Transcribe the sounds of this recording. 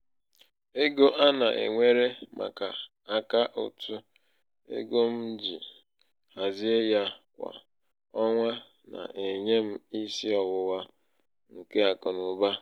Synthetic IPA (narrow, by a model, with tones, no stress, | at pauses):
e˦ɡo˦ʔa˦na˨ʔḛ˨ŋʷe˦ɾe˦ma̰˨ka˨ | a˨ka˦ʔʊ̰˨tʊ˦ | ḛ˦ɡo˦m̩˦d͡ʒi˨ | ha˨zi˦e˦ja˦kʷa̰˨ | ɔ˦ŋʷa˦ | na̰˨ʔe˨ɲe˦m̩˦i˦si˦ɔ˨wʊ˨wa˦ | ŋ̩˨ke˦a˨kɔ˨nʊ˨ba˦